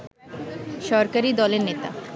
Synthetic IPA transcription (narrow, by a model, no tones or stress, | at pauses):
ʃɔɾkaɾid̪ɔleɾnet̪a̰